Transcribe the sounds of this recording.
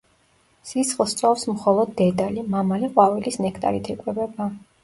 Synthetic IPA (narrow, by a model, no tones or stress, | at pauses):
sisχlˠst̪sʼɔfsmχɔlˠɔd̪ːɛd̪alimamaliqʼwavilisnɛkʰt̪ʼa̰ɾit̪ʰikʼwɛbɛba